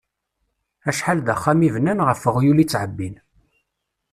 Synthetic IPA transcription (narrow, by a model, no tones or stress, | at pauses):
æʃħald̪æχːæmivnænʁəfːəʁjulit͡sːʕəbːin